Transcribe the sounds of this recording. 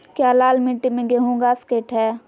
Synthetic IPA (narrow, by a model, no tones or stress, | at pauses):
kjaːlaːlmɪ̃ʈːimẽɡeɦũːɡaːskeːʈɦɛː